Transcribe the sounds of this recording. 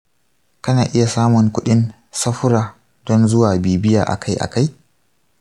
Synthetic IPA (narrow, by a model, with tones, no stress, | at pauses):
kɐ˦naː˨ʔɪ˦ja˨saː˦mʊ˨ŋkʷʊ˦ɗɪ˦n | sɐ˦ɸʊ˦ɾaː˨ | dɔ˦nzʊ˦waː˨biː˨bɪ˦ja̰ː˨ʔa̰˨kʰa˦jʔa̰˨ka˦j